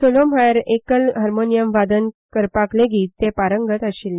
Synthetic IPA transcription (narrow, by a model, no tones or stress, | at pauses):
solomɦajɾekəlɦəɾmonijəmʋad̪ənkəɾpakleɡiːt̪t̪ːepaɾəŋɡət̪əɕil